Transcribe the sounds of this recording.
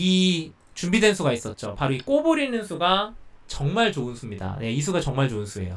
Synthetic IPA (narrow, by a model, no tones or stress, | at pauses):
i | t͡ɕumbidwe̞nsʰuɡais͈ʌt̚t͡ɕ͈opaɾoik͈oboɾinɯnsʰuɡat͡ɕʌŋmaɭt͡ɕoɯnsʰumɲida̰ne̞isʰuɡat͡ɕʌŋmaɭt͡ɕoɯnsʰue̞̰jo